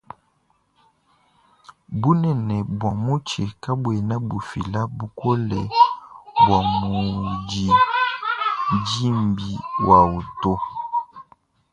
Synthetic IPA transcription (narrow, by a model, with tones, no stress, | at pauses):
bu˦nɛ˨nɛ˨bwa˨mu˦t͡ʃɛ˨ka˦bwɛ˨na˦bu˨fi˨la˦bu˨kɔ˦lɛ˨ | bwa˨mu˨d͡ʒi˨ | d͡ʒi˦mbi˨wʔa˨u˨to˦